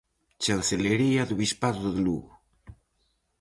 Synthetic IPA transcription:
t͡ʃalθeleɾiaðuβispaðoððlṵɣo

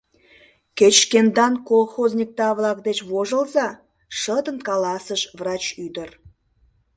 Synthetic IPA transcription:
ket͡ɕkend̪ɑnkolˠxozʲnʲik̚t̪ɑvlˠɑkd̪et͡ɕvoʒə̆lˠzɑ | ʃəd̪ənkɑlɑsəʃvrɑt͡ɕyd̪ər

